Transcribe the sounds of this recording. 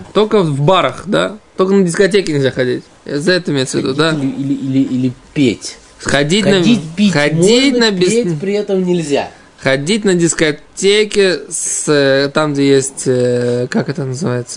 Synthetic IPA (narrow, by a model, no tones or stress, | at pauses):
t̪o̞lʲkəvbaɾəχd̪a̰t̪olʲkənədʲɪskɐtʲekʲɪnʲɪlʲzʲaxɐdʲitʲ | zɐɛt̪əɪmʲejt̪səvʲɪd̪ud̪aiɪilʲɪilʲɪpʲetʲ | χɐdʲitʲnəipʲiɐdʲitʲnəbʲɪepɾʲɪɛt̪əmnʲɪlʲzʲa̰ | χɐdʲitʲnədʲɪskɐtʲekʲɪst̪amɡdʲejesʲtʲkakɛt̪ənəzɨvajɪt̪sə̥